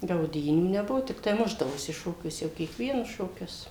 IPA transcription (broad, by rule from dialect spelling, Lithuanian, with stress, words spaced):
ɡɐʊˈdʲiːnʲuː nʲɛˈbʊʋoː tʲɪkˈtɐɪ ˈmʊʒdɐʋoːsʲɪ ˈʃoːkʲuɔsʲɛ jɛʊ kʲiɛkˈʋʲiɛnʊs ʃoːˈkʲʊs